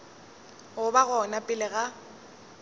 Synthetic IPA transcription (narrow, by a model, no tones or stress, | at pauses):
ʊbaɣɔnapʼɪlɪɣa